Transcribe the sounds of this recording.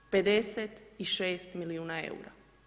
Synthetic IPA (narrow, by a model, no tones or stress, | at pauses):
pe̞d̪e̞set̪iʃe̞ːst̪miliuːnaḛṵɾa̰